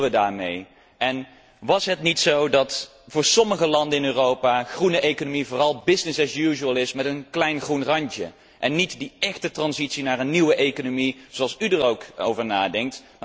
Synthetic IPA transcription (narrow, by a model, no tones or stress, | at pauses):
ʋədaːɹmḛj | ɛn | ʋɑsɦətnitsowdɑt | vʊːɹsɔməχəlɑndənɪnøːrowpaːχrunəʔejkonomivoːrɑlˠbɪsnɪsɛsjuʒuəlˠɪsmɛtənklɛjnχrunrɑɲt͡ʃə̰ | ʔɛnːitdiɛχtətrɑnzitsinaːrənːiwəʔejkonomiz̥oɑlˠsydəɹowko̰wvəɹnaːdɛŋk̚tm